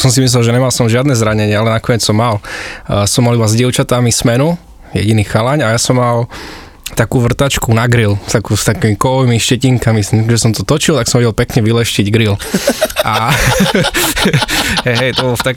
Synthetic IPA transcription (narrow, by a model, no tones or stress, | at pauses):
sɔmsimis̬lɛlʒɛɲɛmalsɔmʒɪad̪nɛzɾaɲɛɲɪɛalɛnakɔɲɛt͡ssɔmːalsɔmːalubazɟɪɛʊt͡ʃat̪amismɛnu | jɛ̰ɟiniːxalaɲajasɔmːal | t̪akuːʋr̩t̪at͡ʃkunaɡɾilst̪akust̪akiːmikɔʋimiʃcɛciŋkamiʒɛsɔmt̪ɔt̪ɔt͡ʃilt̪aksɔmɛɟɛlpɛkɲɛʋilɛʃciɟɡɾilʔa | ɛɦɛjt̪ɔbɔlɔft̪ak